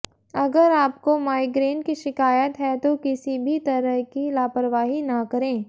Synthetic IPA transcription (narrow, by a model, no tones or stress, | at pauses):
ɐɡəɾaːp̚komaːɪɡɾeːɳʈkiʃɪkaːjət̪ɦɛt̪okɪsibʱit̪ɐɾəɦkilaːpəɾʋaːɦinɐkɐɾẽː